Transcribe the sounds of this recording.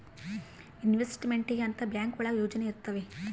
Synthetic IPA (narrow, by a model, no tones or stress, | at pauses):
inʋesʈimeɳʈiɡeɐnt̪ɐbjaːŋkʋɐɭɐjoːd͡ʒɐneiɾt̪ːɐʋe̞